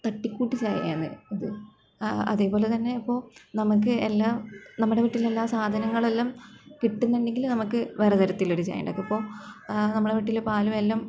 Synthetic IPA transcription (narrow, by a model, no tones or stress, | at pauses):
t̪ɐʈːikʲːuːʈːit͡ɕa̰ːj̰a̰ːnːɨ̰ɐðɨ | ɐ̰ðe̞ːpo̞ːle̞t̪ɐnːe̞ɐpːo̞ːnɐmuk̬ːɨelːaːnɐmːɐɽe̞ʋiʈːilːe̞lːaːsaːd̪ʱɐnɐŋːɐɭelːɐmkiʈːunːɐeɳɖe̞ŋɡilumnɐmukːɨʋɐrɐt̪ɐɾɐt̪ːilo̞ɾut͡ɕa̰ːjɐ̰ɳɖɐkːɐpːo̞ːnɐmːuɽeʋiʈːilepaːlumelːɐm